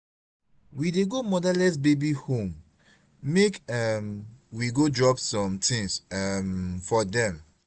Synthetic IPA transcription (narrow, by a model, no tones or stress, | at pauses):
wideɡomɔdalɛs̬bebihõm | mekamwiɡodɹɔpsɔ̃mtʰĩŋsamfɔdɛ̃m